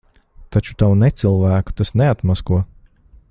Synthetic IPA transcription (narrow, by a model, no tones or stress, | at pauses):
t̪at͡ʃu̥t̪awnɛt̪silˠvæːku̥t̪asneat̪maskuɔ